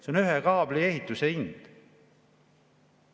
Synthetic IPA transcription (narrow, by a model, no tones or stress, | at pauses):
seonyɦekɑːblieɦit̪ːˑuseind̪̥